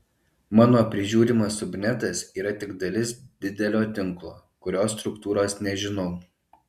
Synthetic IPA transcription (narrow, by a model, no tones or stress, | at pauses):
mɑːnoːpʲɾʲɪʒʲuːɾʲimɐsʊbʲnʲɛt̪ɐsiːɾɐt̪ʲɪɡd̪ɐlʲɪsd̪ʲɪd̪ʲɛlʲoːt̪ʲɪŋklˠoː | kʊɾʲoːsːt̪ɾʊkt̪uːɾoːsnʲɛʒʲɪnɔʊ